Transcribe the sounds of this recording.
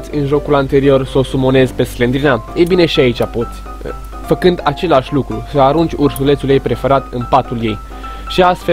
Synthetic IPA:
t̪sʲɨnʒo̞kulant̪e̞ɾio̞rso̞sumo̞ne̞zpe̞sklend̪ɾinajebine̞ʃiait͡ʃʲapo̞t̪sʲ | fəkɨnd̪at͡ʃe̞laʃʲlukɾusəaɾund͡ʒʲursule̞t̪sulje̞jpɾe̞feɾat̪ɨmpat̪ulje̞j | ʃiast̪fe

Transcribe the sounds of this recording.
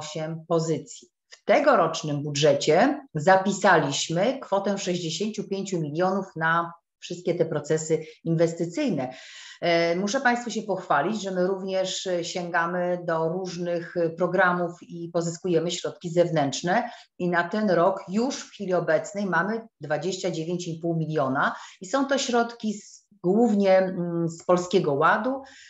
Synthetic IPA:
ɕɛmpɔzɘt̪sʲji | ft̪ɛɡɔɾɔt͡ʂnɘmbudʐɛt͡ɕɛzapʲisalʲiɕmɘkfɔt̪ɛfʂɛʑd͡ʑeɕeɲt͡ɕupʲjeɲt͡ɕumʲilʲjɔnufna | fʂɘst̪̚kʲɛt̪ɛpɾɔt̪sɛsɘinvɛst̪ɘt̪sɘjnɛ | muʂɛpãj̃st̪fuɕɛpɔxfalʲid͡ʑʐɛmɘɾuvɲɛʂɕɛŋɡamɘd̪ɔɾuʐnɘxpɾɔɡɾamufipɔzɘskujɛmɘɕɾɔt̪̚kʲizɛvnɛntt͡ʂnɛ | inat̪ɛnɾɔkjuʂfxfʲilʲiɔbɛt̪snɛjmamɘd̪vad͡ʑeɕt͡ɕad͡ʑevʲeɲt͡ɕipuwmʲilʲjɔnaisɔ̃w̃t̪ɔɕɾɔt̪kʲi | ɡwuvɲɛspɔlskʲɛɡɔwad̪u

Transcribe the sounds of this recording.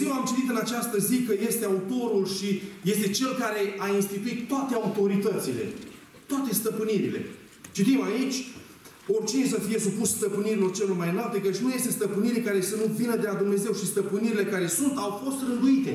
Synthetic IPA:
jewamt͡ʃit̪it̪ɨnat͡ʃast̪əzikəje̞st̪e̞aut̪o̞ɾulʃije̞st̪e̞t͡ʃe̞lkaɾe̞ainst̪it̪uit̪ːoat̪eaut̪o̞ɾit̪ət̪sile̞̰ | t̪oat̪e̞st̪əpɨniɾile̞̰ | t͡ʃit̪imait͡ʃʲ | o̞rʲt͡ʃinesəfije̞supusst̪əpɨniɾilo̞rt͡ʃe̞lo̞rmajnalt̪e̞kət͡ʃʲnuje̞st̪e̞st̪əpɨniɾkaɾe̞sənuvinəd̪e̞lad̪umne̞ze̞wʃist̪əpɨniɾile̞kaɾe̞sunt̪awfo̞st̪rɨnd̪uit̪e̞

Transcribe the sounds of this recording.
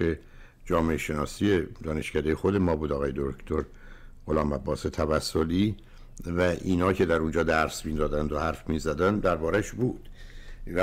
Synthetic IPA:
e | d͡ʒɒːmeeʃe̞nɒːsije̞d̪ɒːne̞ʃkcæd̪ejexod̪e̞mɒːbuːd̪ɒːɣɒːjed̪oɾkt̪ʰoɾ | ʁolɒːmæbːɒːset̪ʰævæsːoliː | væʔiːnɒːcʰe̞d̪æɾund͡ʒɒːd̪æɾsmiːd̪ɒːd̪ænd̪ohæɾfmiːzæd̪ænd̪æɾbɒːɾæʃbuːd̪̥væ

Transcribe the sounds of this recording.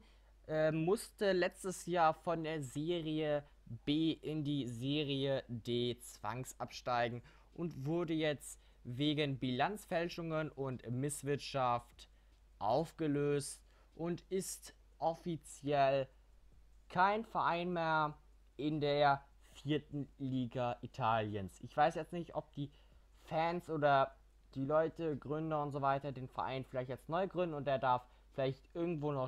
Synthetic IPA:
ʔɛmʊstəlɛt͡stəsjaːfɔndeːɐzeːʁiə | b̥eːʔɪndiːzeːʁiədeːt͡sv̥a̰ŋsʔa̰pʃtaɪɡŋ̩ | ʔʊntv̥ʊɐdəjɛt͡st | veːɡənbilant͡sfɛlʃʊŋənʊntmɪsv̥ɪɐtʃaft | ʔaʊfɡ̥əløːst | ʔʊntɪst | ʔɔfit͡sjɛl | kʰaɪnfɛɐʔaɪnmeːɐ | ʔɪndeːɐ | fiːɐtn̩liːɡaʔitʰaːljənsʔɪçv̥aɪsjɛt͡stnɪçtɔp̚d̥iː | fɛnsʔoːdɐ | d̥iːlɔʏtəɡʁʏndɐʊntz̥oːvaɪtɐdeːnfɛɐʔa̰ɪnfɪlaɪçtalstnɔʏɡʁʏndn̩ʊntdeːɐdaɐf | fɪlaɪçtʔɪɐɡŋ̩tv̥oːnɔ

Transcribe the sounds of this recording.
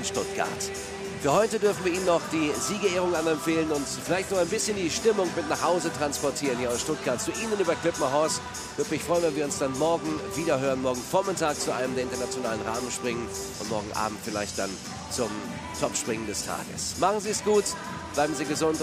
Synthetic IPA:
nʃtʊtɡ̥a̰ɐt | fyːɐhɔʏtədʏɐfn̩viːɐiːnənɔχd̥iːziːɡəeːʁʊŋʔamɐɛmfeːlənʊntfɪlaɪçtnɔχaɪnbɪsçəndiːʃtɪmʊŋmɪtnaːχhaʊzətʁ̥anspɔɐtʰiːʁənhiːɐaʊsʃtʊt̚ɡ̥aɐtt͡suʔiːnənyːbɐkʰl̥ɪpmaɦɔs | vʏɐdəmɪçfʁ̥ɔʏənvɛnviːɐʊnsd̥anmɔɐɡŋ̩viːdɐɦøːʁənmɔːɐɡŋ̩fɔɐmɪtaːk̚t͡suʔa̰ɪnəmdeɐɪntɐnat͡sjonaːlənʁa̰ːmənʃpʁ̥ɪŋən | ʔʊ̰ntmɔːɐɡŋ̩ʔa̰ːbm̩tfɪla̰ɪçt̚d̥an | t͡sʊm | tʰɔpʃpʁ̥ɪŋəndɛstʰa̰ːɡə̰smaχn̩ziːsɡ̥uːt | b̥laɪbm̩ziːɡəzʊnt

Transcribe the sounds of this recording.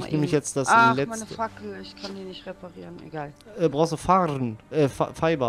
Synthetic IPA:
ɪçneːmlɪçjɛt͡std̥asalɛmaɪnəfakl̩ɪçkʰandiːnɪçtʁepʰaʁiːʁənḛɡaːlɛːbʁaʊstufaːʁənʔɛːfa̰faɪbɐ

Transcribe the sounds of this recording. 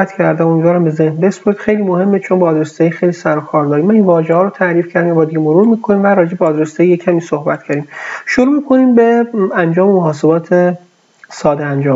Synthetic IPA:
æt̪ʰcʰæɾd̪æmond͡ʒɒːɾæmbe̞ze̞hnbe̞spoɾid̪xe̞jliːmohe̞mːet͡ʃʰonbɒːd̪ɾest̪ɒjixejliːsæɾokʰɒːɾd̪ɒːɾiːmːæninvɒːʒehɒːɾot̪ʰæɾiːfcʰæɾd̪imbɒːd̪iɟemoɾuːɾmiːkʰo̞niːmvæɾɒːd͡ʒebeɒːd̪ɾest̪eijecʰæmiːsohbæt̪̚ʰcʰæɾd̪imʃoɾuːmiːkʰo̞niːmbeænd͡ʒɒːmemoɦɒːse̞bɒːt̪ʰe | sɒːd̪eænd͡ʒɒː

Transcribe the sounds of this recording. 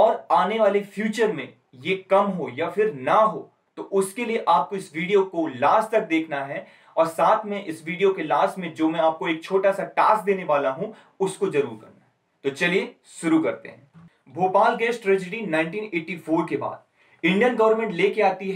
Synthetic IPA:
ɔːɾaːneʋaːlefʰjuːt͡ʃəɾmẽ | jekɐmɦojafɪɾnɐɦo̰ | t̪oʔʊskelieʔaːp̚koɪsʋiːɖijokolaːst̪ɐk̚d̪eːkʰnaɦɛ | ɔːɾsaːt̪ʰmẽʔɪsʋiːɖijokelaːsʈmẽd͡ʒoːmɛ̃aːp̚koeːk̚t͡ʃʰoːʈasaʈaːsk̚d̪eːneʋaːlaɦũ | ʊskozɐɾuːɾbɐ̰ɾnaɦɛ | t̪ot͡ʃɐlie | ʃʊɾukɐɾt̪ḛɦɛ̃ː | bʱoːpaːlɡɛːsʈʈɾɛːd͡ʒəɖinãːɪ̃ɳʈiːneːʈifoːɾkeba̰ːd̪̚ | ɪ̃ɳɖijənɡɐʋəɾmɛ̃ɳʈleːkeaːt̪iɦɛ

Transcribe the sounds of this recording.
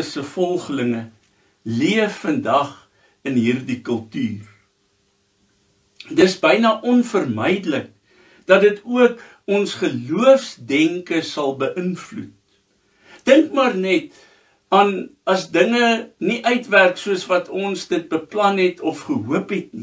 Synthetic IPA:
əsəfɔlˠχələŋə | liəfːəndɐχ | ənɦiːrdikəlˠtyːr | dəsbəjnɐʔɔnfərməjdələk̚ | d̥ɐdətuək | ɔnsχəluəfsdɛŋkəsɐlˠbəʔənflṵt̚ | d̥əŋkmɑːrnɛt | ɑːnɐsdəŋəniʔœɥtværksuəsvɐtʰɔnsdət̚bəplɐnɛtʰɔfχəɦuəpɦɛtni

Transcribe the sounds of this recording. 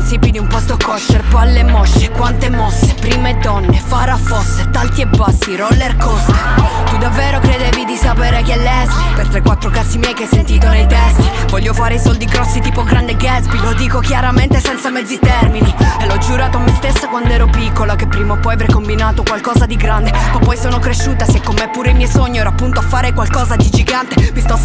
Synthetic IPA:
nsipid̪iumpɔst̪okɔʃːerpalːemɔsːe̥kwant̪emɔsːe̥pɾiːmed̪ːɔnːefaɾafosːet̪alt̪iebasːiɾɔlːerkost̪et̪ud̪avːeːɾokɾed̪ɛːvid̪isapeːɾekɛlːɛsipert̪ɾekːwat̪ːɾokat̪sːimjɛjkesːent̪iːt̪onejt̪ɛst̪ivɔʎːjːofaːɾeisɔld̪iɡɾɔsːit̪iːpoɡɾand̪eɡɛsbilod̪iːkokjaɾament̪esɛnt̪samɛd̪zːit̪ɛrminielːɔd͡ʒuɾaːt̪oamːest̪esːakwand̪oɛːɾopikːolakepːɾiːmaopːɔjaveɾrkombinaːt̪okwalkɔːzad̪iɡɾand̪eɔpːɔjsoːnokɾeʃːuːt̪asekːomːɛpːuːɾeimjɛjsoɲːoɛːɾapːunt̪oafːaːɾekwalkɔːzad̪id͡ʒiɡant̪evist̪ɔ

